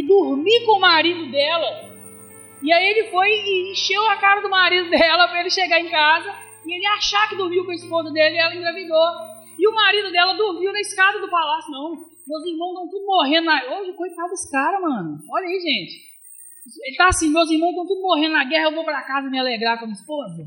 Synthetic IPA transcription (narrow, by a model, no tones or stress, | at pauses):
ɪd̪uɾmikõʊmaɾid̪ʊd̪ɛlɐ | ɪaielɪfojɪĩʃewɐkaɾɐd̪ʊmaɾid̪ʊd̪ɛlɐpɾɐelɪʃeɡaẽkazɐ | ɪelɪaʃakɪd̪uhmiwkõɐispozɐd̪elɪɛlɐĩɡ̪ɾɐvid̪ozɐ | ɪʊmaɾid̪ʊd̪ɛlɐd̪uhmiwnɐiskad̪ɐd̪ʊpalasjʊnɐ̃w̃ | mewzihmɐ̃w̃st̪ɐ̃w̃t̪ud̪ʊmoɦẽd̪ʊnɐoʒɪkojt̪ad̪ʊskaɾɐmɐ̃nʊɔʎɐiʒẽt͡ʃɪ̥ | selɪt̪aasĩmewzihmɐ̃t̪ɐ̃t̪ud̪ʊmoɦẽnd̪ʊnɐɡɛhɐewvowpɾakazɐmɪaleɡɾakõɐmĩɐispozɐ